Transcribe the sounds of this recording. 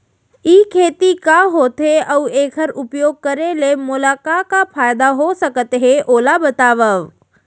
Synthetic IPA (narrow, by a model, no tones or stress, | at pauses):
iːkʰeːt̪ikaɦoːt̪ɦeəweːkʰəɾʊpjoːɡ̚kəɾelemʊlaːkakapʰaːjd̪aɦosəkət̪ɦeʔoːlabət̪aːʋəʋ